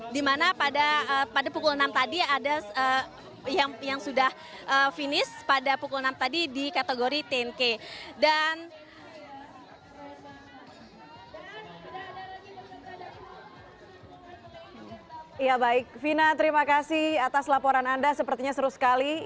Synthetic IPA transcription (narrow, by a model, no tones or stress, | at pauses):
dimanapadaəpadapukʊlnamt̪adiadaə | jaŋjaŋsudah | ʔəfinɪspadapukʊlnamt̪adidikat̪eɡoɾit̪eɛnkedan | d | jabaɪk̚finat̪əɾimakasɪhat̪aslapoɾanandasəpərt̪iɲasəɾusə̥kali